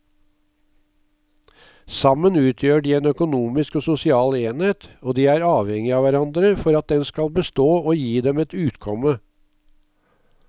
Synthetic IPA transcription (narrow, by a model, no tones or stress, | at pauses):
sɑmənʉːt̪ʰjøːɖiːeːnœkʊnuːmɪskoːsʊsɪɑːleːnheːt̪oːd̪iːæːɾɑːʋhɛŋɪɑːʋæɾɑnd̪ɾəfɔɾɑt̪̚d̪ɛnskɑlbəst̪oːoːjiːd̪ɛmɛt̪ʉːt̪kʰɔmə